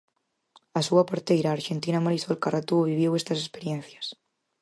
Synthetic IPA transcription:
asuapoɾt̪ejɾaːɾʃent̪inamoɾisolkarat̪uoβiβjewest̪as̬espeɾjen̟θjḁs

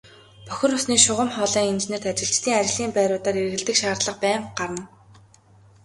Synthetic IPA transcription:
pœxʲɪ̆rʊsniːʃʊʁə̆mχɔːɮiːŋent͡ɕneːr̥t̪at͡ɕɪ̆ɬt͡ɕt̪ʰiːŋat͡ɕɪ̆ɮiːmpæːɾʊːt̪aːɾeɾ̆ɣɘ̆ɮt̪ɘ̆kʃaːrt̪ɮə̆q̚pæːɴɢ̥aɾə̆n

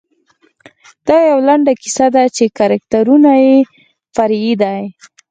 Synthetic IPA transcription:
d̪̥ɑjawlaɳɖaki̥sad̪at͡ʃekaɾak̚t̪aɾunaje | faɾid̪aj

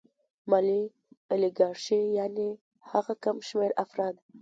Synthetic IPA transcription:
mali | alɪɡɑɾʃijɑne | haɣakamʃmeɾa̰fɾɑːd̪

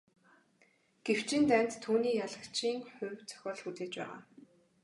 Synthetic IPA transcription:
ɡ̥ew̥t͡ɕʰint̪æːn̥ʲt̪t̪ʰːuːniːjaɮə̆kt͡ɕʰiːŋχʊ̟wʲt͡sʰœ̥xʲɔːɮxut͡seːt͡ɕpæ̰ːʁa̰ː

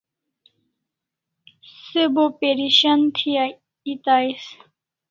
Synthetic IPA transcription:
sɨbopeɾiɕɐnt̪ʰija | it̪ajs

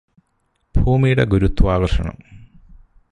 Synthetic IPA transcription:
bʱuːmijɽɐɡuɾut̪ːʋaːɡɐrʂɐɳɐ̰m

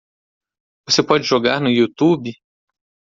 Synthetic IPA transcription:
vosepɔd͡ʒɪʒoɡaɾnʊut̪ubɪ

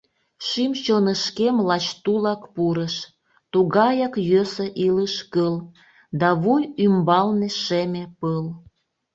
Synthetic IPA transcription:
ʃimt͡ɕonəʃkemlɑt͡ɕt̪ulɑkpuɾəʃ | t̪uɣɑjɑkjøsəʔiləʃkəl | d̪ɑβujymbɑlneʃemepəl

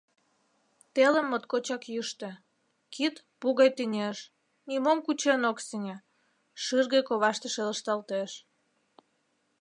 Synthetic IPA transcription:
t̪elə̆mːot̪kot͡ɕɑkjyʃt̪ĕ | kʰit̪puɣɑjt̪inʲeʃ | nimomkut͡ɕenoksinʲe | ʃɨrɣəjkoβɑʃt̪əʃeləʃt̪ɑlt̪eʃ

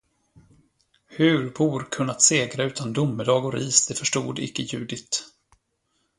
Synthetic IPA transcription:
hɵɾbuːɾkʰɵnːat̪seːɡɾaʉ̟ːt̪ʰand̪ʊmːəd̪ɑːɡɔɾiːsd̪̥ɛfœʂʈuːd̪ɪ̰kːəjʉ̟̰ːd̪ɪt̪

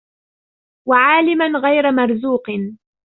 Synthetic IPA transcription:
waʕaːlɪmanɣajɾamɑɾˤzuːq

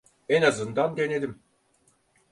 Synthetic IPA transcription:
enazɯnd̪and̪e̞ne̞d̪im

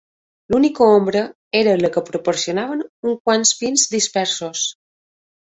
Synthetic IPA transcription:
lunikəombɾə | eɾələkəpɾopoɾsionaβ̞ənuŋkwansfinzd̪ispɛɾsos

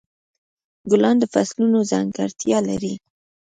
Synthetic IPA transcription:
ɡʊlɑnd̪əfaslunozaŋɡaɾt̪jɑlaɾi

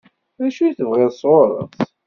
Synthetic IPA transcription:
ðæʃujθəvʁɪðsˤoɾˤə̰θ

